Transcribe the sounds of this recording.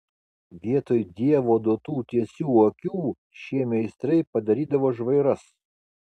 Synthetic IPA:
ʋʲiɛt̪oːjd̪ʲiɛʋoːd̪oːt̪uːt̪ʲiɛsʲuːokʲuː | ʃʲiɛmʲɛɪst̪ɾɐɪpɐd̪ɐɾʲiːd̪ɐʋoːʒʋɐɪɾɐs

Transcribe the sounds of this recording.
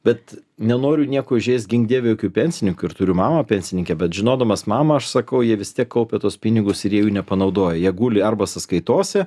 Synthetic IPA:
bʲɛt̪nʲɛnoːɾʲʊnʲiɛkoːɪʒʲeːsʲt̪̚ʲɡʲɪŋɡ̚d̪ʲiːʋʲɛjoːkʲupʲɛnʲsʲɪnʲɪŋkʊɪɾt̪ʊɾʲʊmɑːmɐpʲɛnʲsʲɪnʲɪŋʲkʲɛbʲɛt̪ʒʲɪnoːd̪ɐmɐsmɑːmɐɐʃsɐkɐʊjiɛʋʲɪst̪ʲiɛkkːɐʊpʲɛt̪uɔspʲɪnʲɪɡʊsɪɾjiɛjuːnʲɛpɐnɐʊd̪oːjɛjiɛɡuːlʲɪɐrbɐsɐskɐɪt̪oːsʲɛ

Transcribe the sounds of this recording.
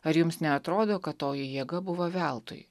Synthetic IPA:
ɐɾjʊmsnʲɛɐt̪ɾoːd̪oːkɐt̪tːoːjɛjɛɡɐbʊʋoʋʲælˠt̪o̰j

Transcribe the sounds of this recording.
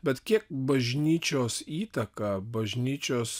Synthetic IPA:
bʲɛt̪kʲiɛk̚bɐʒʲnʲiːt͡ʃʲoːsiːt̪ɐkɐbɐʒʲnʲiːt͡ʃʲoːs

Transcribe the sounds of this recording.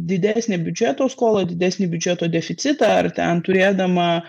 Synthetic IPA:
d̪ʲɪd̪ʲæːsʲnʲɛbʲʊd͡ʒʲɛt̪oːskoːlˠɐd̪ʲɪd̪ʲæːsnʲibʲʊd͡ʒʲɛt̪oːd̪ʲɛfʲɪt̪sʲɪt̪ɑɐ̰ɾt̪ʲɛ̰nt̪ʊɾʲiɛd̪ɐmɐ

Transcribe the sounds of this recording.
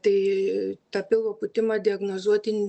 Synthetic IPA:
t̪ɐɪt̪ɑpʲɪlˠʋoːpʊt̪ʲɪmɐːd̪ʲɪɐɡnoːzuɔt̪ʲɪnʲ

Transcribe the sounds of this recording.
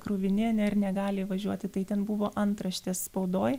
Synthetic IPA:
kɾʊʋʲɪnʲɪnʲɛɾnʲɛɡɑːlʲɪʋɐʒʲuɔt̪ʲɪt̪ɐɪt̪ʲɛnbʊʋoːʔɐnt̪ɾɐʃʲt̪ʲeːsspɒʊd̪oːj

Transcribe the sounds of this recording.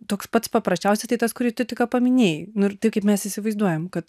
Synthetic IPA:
t̪oːkspɐt̪spɐpɾɐsʲt͡ʃʲɛʊsʲɛt̪ɐɪt̪ɐskʊɾʲiːt̪ʲʊt̪ʲɪkɐpɐmʲɪnʲeːjnʊɪrt̪ɐɪp̚kɐɪpmʲɛsisʲɪʋɐɪzd̪uɔjɛmkɐt̪

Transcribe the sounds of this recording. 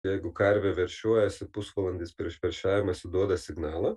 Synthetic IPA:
jɛɪɡʊkɐɾʲʋʲɛʋʲɛɾʲʃʲuɔjɛsʲɪpʊsʋɐlˠɐnʲd̪ʲiːspʲɪɾʲɪʃʲʋʲɛɾʲʃʲæːʋʲɪmɐsʲɪd̪uɔd̪ɐsʲɪɡnɑːlˠɐ

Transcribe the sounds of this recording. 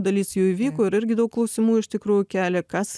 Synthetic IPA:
d̪ɐlʲiːsjuːiːʋʲiːkoːɪɾɪɾʲɡʲɪd̪ɐʊklˠɐʊsʲɪmuːɪʃʲt̪ʲɪkɾuːjʊkʲæːlʲɛkɐs

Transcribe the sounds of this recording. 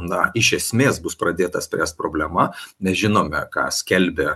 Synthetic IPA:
nɐɪʃʲɛsʲmʲeːsbʊspɾɐd̪ʲeːt̪ɐsʲpʲɾʲæːst̪̚pɾoːbʲlʲɛmɐnʲɛsʒʲɪnoːmʲɛkɑ̰ːsʲkʲɛlʲbʲɛ

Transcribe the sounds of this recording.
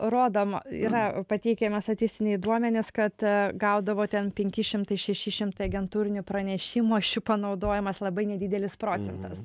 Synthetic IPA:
ɾoːd̪oːmḭːɾɐpɐt̪ʲɛɪkʲeːmʲɛst̪ɐt̪ʲɪsʲt̪ʲɪnʲɛɪd̪uɔmʲɛnʲɪskɐt̪ɡɐʊd̪ɐʋoːt̪ʲɛnpʲɛŋʲkʲɪʃʲɪmt̪ɐɪʃʲɛʃʲɪʃʲɪmt̪ɐɪɐɡʲɛnt̪uːɾʲɪnʲʊpɾɐnʲɛʃʲɪmuɐʃʲʊpɐnɐʊd̪oːjɪmɐslˠɐbɐɪnʲɛd̪ʲɪd̪ʲɛlʲɪspɾoːt͡s̪ʲɛnt̪ɐs

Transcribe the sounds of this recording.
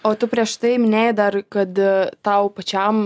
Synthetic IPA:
oːt̪ʊpʲɾʲiɛʃt̪ɐɪmʲɪnʲejd̪ɐɾkɐt̪t̪ɐʊpɐt͡ʃʲɛm

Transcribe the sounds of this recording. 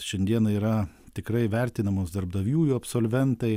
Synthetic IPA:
ʃʲɛnʲd̪ʲiɛnɐiːɾɐ | t̪ʲɪkɾɐɪʋʲɛɾʲt̪ʲɪnɐmoːsd̪ɐɾbd̪ɐʋʲjuːjuɐpsoːlʲʋʲɛnt̪ɐɪ

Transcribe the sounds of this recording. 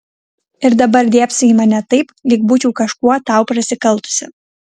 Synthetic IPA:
ɪɾd̪ɐbɐɾd̪ʲiɛpʲsʲiːmɐnʲɛt̪ɐɪplʲɪk̚bʊt͡ʃʲuːkɐʃkuɔt̪ɑˑʊpɾɐsʲɪkɐlˠˑt̪ʊ̥sʲɪ

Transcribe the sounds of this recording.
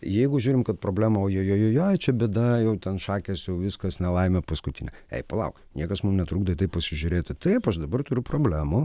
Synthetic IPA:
jɛɪɡʊʒʲuːɾʲɪmkɐt̪pɾoːbʲlʲæːmɐoːjoːjoːjoːjoːjt͡ʃʲɛbʲɛtd̪ɐjɛʊt̪ʲɛnʃɑːkʲɛsjɛʊʋʲɪskɐsnʲɛlˠɐɪmʲɛpɐskʊt̪ʲɪnʲɛɛ̰ɪpɐlˠɐ̰ʊknʲiɛkɐsmumnʲɛt̪ɾuːɡd̪ɐt̪ɐɪpɐsʲɪʒʲʊɾʲeːt̪ʲɪt̪ɐɪpɐʃd̪ɐbɐrt̪ʊɾʲʊproːbʲlʲæːmʊ

